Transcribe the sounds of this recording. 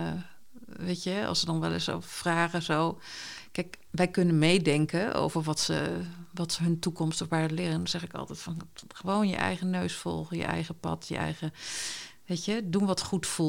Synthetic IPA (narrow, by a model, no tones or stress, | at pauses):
ʋejtjəɑ̰lˠsədɑnʋɛ̰lˠɪ̰so̰wvəfraːχəzowkɛjkʋɛjkɵnənmejdɛŋkəʔo̰wvəɹʋɑtsə̰ʋɑtsəɦɵntukɔmstɔfʋaːɹəlɪːrəndɔnz̥ɛχɪkɑ̰lˠtɛjtfɑnχəʋownjə̰ʔɛ̰jχənøɥsfɔ̰lˠχəjə̰ʔɛ̰jχəpɑ̰tʰjə̰ʔɛ̰jχə | ʋejtədunʋɑtχutfu